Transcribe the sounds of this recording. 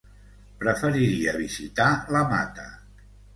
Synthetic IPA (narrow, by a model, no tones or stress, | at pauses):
pɾəfəɾiɾiəβizit̪aləma̰t̪ə